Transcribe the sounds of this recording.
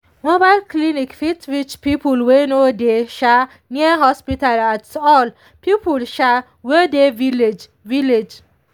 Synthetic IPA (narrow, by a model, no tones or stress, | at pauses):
mobalklinikfitwit͡ʃpipulwenodeʃa | niaɦɔspitalatɔl | pipulʃa | wedeviled͡ʒ | viled͡ʒ